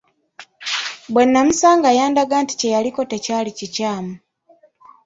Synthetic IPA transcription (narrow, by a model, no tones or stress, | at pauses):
bwe̞nːamusaːŋɡajaːndaɡanti̥ce̞jaliko̞te̞caːlicicaːmu